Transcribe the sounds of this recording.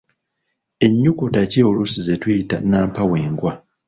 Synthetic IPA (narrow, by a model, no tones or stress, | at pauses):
e̞ɲːukutaciolusize̞twiitanaːmpawe̞ːŋɡwa